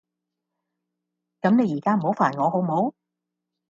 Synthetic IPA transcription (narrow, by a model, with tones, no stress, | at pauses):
kɐ˨˥mne˨˧jiː˨˩kaː˥m̩˨˩ho˨˥wfaː˨˩nŋɔː˨˧ɦo˨˥wm˨o˨˥w